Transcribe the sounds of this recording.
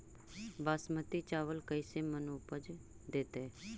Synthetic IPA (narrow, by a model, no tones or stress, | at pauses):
baːsmət̪it͡ʃaːʋəlkəɪsemənuːpəd͡ʒ | d̪eːt̪eː